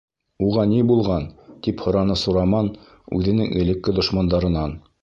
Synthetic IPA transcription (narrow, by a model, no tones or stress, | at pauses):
uʁɑnibulˠʁɑnt̪iphŏɾɑnɤsuɾɑmɑn | ʉ̰ðɘ̆nɘŋɘ̆lɘ̆kːɘd̪ŏʃmɑnd̪ɑɾɤ̆nɑn